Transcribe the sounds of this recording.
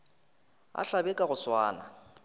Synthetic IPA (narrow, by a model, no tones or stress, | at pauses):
a̰ɬabɛkʼaɣʊswaːna̰